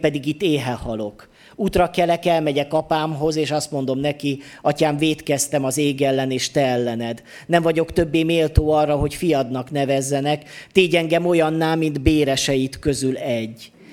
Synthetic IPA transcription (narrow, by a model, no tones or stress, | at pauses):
pɛd̪iɡit̪ːeːɦɛhɒlo̞k | uːt̪rɒkɛlɛkɛlmɛɟɛkɒpaːmɦo̞zeːʃɒst̪mo̞nd̪o̞mnɛkiɒcaːɱveːt̪kɛst̪ɛmɒzeːɡɛlːɛneːʃt̪ɛɛlːɛnɛd̪ | nɛɱvɒɟo̞kt̪ø̞bːeːmeːlt̪oːɒrːɒɦo̞cfijɒd̪nɒkn̪ɛvɛzːɛnɛkt̪eːɟɛŋɡɛmo̞jɒnːaːlmind̪beːɾɛʃɛjit̪kø̞zylɛɟː